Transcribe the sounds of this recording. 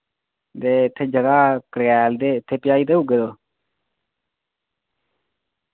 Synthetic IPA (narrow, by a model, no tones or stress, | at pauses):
d̪eːɪt̪ʰːeːd͡ʒəɡaːkəɽɛːld̪eːɪt̪ʰːeːpɪjaːiːt̪̬eːɦʊɡeːd̪oː